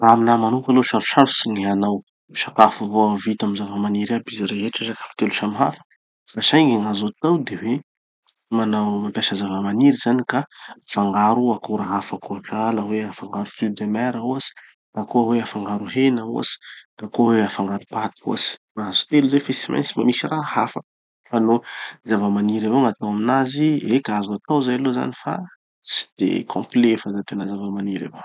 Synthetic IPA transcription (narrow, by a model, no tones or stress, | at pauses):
aaminamanukaloʃaɾuʃaɾusinianaw | ʃakafavoavit̪amizavəmaniɾabiziɾeɦeʈ͡ʂaʃakḁfu̥t̪eluʃamɦa̰fə̥ | faʃajɡiŋazot̪awd̪ewe | manawmapjaʃəzavəmaniɾizanikafaŋɡaɾuakoɾaɦafakuapalaweafaŋɡaɾufid̪emɛɾauasi̥ | k̪akoaweafaŋɡaɾuɦenaṵa̰si̥kakoweafaŋɡaɾupat̪i̥kṵasi̥maazu̥t̪eluzewfesima̰nsimamisiraɦa̰fə | fanozavəmaniɾavoŋat̪awaminaziekazuat̪awzajaloza̰nifa̰ | t͡si̥d̪̥ḛkʰõ̰mplefazat̪enəzavəmaniɾḛvo